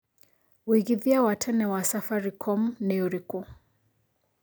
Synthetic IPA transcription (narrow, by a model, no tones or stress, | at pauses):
wiɣiðiawatʰɛnɛwasafaɾikʰɔmnɛuɾiku